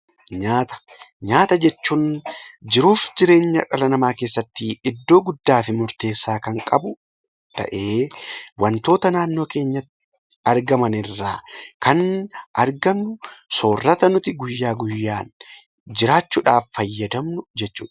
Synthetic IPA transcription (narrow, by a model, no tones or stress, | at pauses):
ɲaːt̪ɐ̥ | ɲaːt̪ɐd͡ʒɛt͡ʃːuːnd͡ʒɪɾuːfd͡ʒɪɾe̞ːɲːɐᶑɐlɐnɐmaːke̞ːsːɐt̪ːɪɪd̪ːo̞ːɡʊd̪ːaːfɪmʊɾt̪e̞ːsːaːkɐŋkʼɐbʊ | t̪ɐ̰ʔe̞ːwɐnt̪o̞ːt̪ɐnaːnːoːke̞ːɲːɐt̪ːɪɪ | ɐɾɡɐmɐnɪrːaːkɐnʔɐɾɡɐmnʊso̞ːrːɐt̪ɐnʊt̪ɪɡʊjːaːɡʊjːaːn | d͡ʒɪɾaːt͡ʃːʊːᶑaːfːɐjːɐd̪ɐmnʊd͡ʒɛt͡ʃːṵːᶑɐ